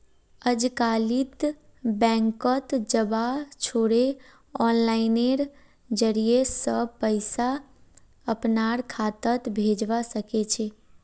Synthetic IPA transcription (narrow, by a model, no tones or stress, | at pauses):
əd͡ʒkalit̪ | bɛ̃ːŋkət̪d͡ʒəbat͡ʃʰoɽe | ɔnlaɪneɾ | d͡ʒəɾijesəpəɪsa | əpnaɾkʰat̪ət̪bʱed͡ʒʋasəket͡ʃʰe